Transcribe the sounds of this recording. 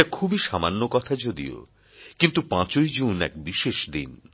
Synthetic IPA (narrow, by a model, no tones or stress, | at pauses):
akʰubiʃamanːokɔt̪ʰad͡ʑod̪ḭo̰ | kint̪upãt͡ɕojd͡ʑunɛ̰kbiʃeʃd̪ḭn